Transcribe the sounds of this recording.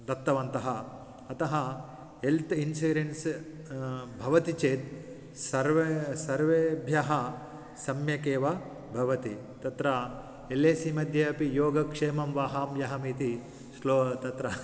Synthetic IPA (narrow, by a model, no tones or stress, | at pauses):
d̪ɐt̪ːɐʋɐnt̪ɐɦɐ | ɐt̪ɐɦɐ | elt̪insuːɾens | bʱɐʋɐt̪it͡ʃeːt̪ | sɐɾʋsɐɾʋebʱjɐɦɐ | sɐmjɐkeːʋɐ | bʱɐʋɐt̪i | t̪ɐt̪ɾɐ | eleːsimɐd̪ʱjɐɐpijoːɡɐkʂeːmɐmʋaːɦaːmjɐɦɐmiːt̪i | sloːt̪ɐt̪ɾɐ